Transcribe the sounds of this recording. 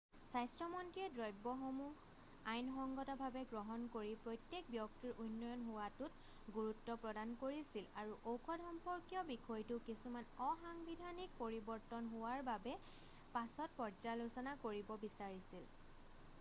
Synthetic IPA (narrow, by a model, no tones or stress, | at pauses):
sajstɹɔmɔntiɛdɹɔjbɔxomu | ajnxɔŋɡɔtɔbʱabɛɡɹɔɦɔnkoɹipɹɔjtjek̚bjɔk̚tiɹʔunːɔjɔnɦʊwatʊt̚ | ɡuɹutːɔpɹɔdankoɹisilaɹuʔowkʰɔdʱɔmpɔɹkijɔbikʰɔjtʊkisumanɔxaŋbidʱanik̚poɹibɔɹtɔnɦʊwaɹbabɛ | pasɔt̚pɔɹzalosɔnakoɹibɔbisaɹisil